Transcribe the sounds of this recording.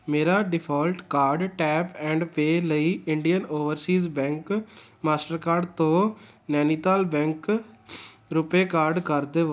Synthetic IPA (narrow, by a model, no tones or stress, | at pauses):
meːɾaːɖɪpʰɔːlʈkaːɾɖʈɛːpɛ̃ːɳɖpeːləiːɪɳɖijənoːʋəɾsiːzbɛ̃ːŋkmaːsʈəɾkaːɾɖt̪õː | nɛːniːt̪aːlbɛ̃ːŋk | ɾʊpeːkaːɾɖkəɾd̪eː